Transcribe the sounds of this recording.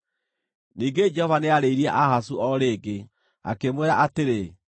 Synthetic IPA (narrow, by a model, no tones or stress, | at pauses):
niːŋɡed͡ʒɛhɔvaneaɾeiɾiɛʔahasuɔɾeːɡe | a̰kemweɾaʔateɾe